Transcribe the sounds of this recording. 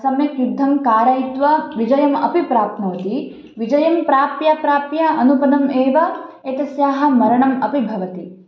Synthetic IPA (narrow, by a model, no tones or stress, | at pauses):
sɐmjɐkjud̪ʱːɐmkaːɾaːjit̪ʋɐʋid͡ʒɐjɐmɐ̰pipɾaːpnoːt̪i | ʋid͡ʒɐjɐmpɾaːpjapɾaːpjɐʔɐnupɐd̪ɐmeːʋɐ | eːt̪ɐsjaːɦɐmɐɾɐɳɐmɐpibʱɐʋɐt̪i